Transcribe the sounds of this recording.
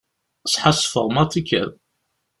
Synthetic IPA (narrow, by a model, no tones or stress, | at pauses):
sħasˤfə̰ʁˤmɑt̪ikʰːæ̰ð